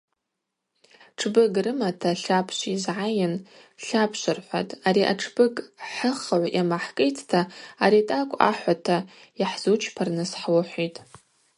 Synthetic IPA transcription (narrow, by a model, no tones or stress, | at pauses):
ʈ͡ʂʰbɨɡrɨmatʰaɬapʰʃʷizʕajɪn | ɬapʰʃʷarħʷa̰tʼaɾiʔa̰ʈ͡ʂʰb̥ɨɡħəχʕʷʔjʔamaħkʼejtʰtʰaːɾitʼakʷʼa̰ħʷatʰa | jiħz̥ut͡ʃʰpʰarnɨsħwaħʷitʼ